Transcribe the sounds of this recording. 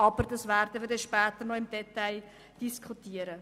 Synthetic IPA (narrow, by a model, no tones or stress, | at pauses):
ɑbəɾdɑsværdəʋɪdɛʃpæːt̪ərnɔɪmdɛt̪aj | d̥iskχutiːəɾə